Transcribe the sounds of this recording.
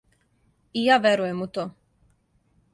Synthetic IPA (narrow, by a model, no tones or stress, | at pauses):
ijaːʋʲjeɾujemut̪oː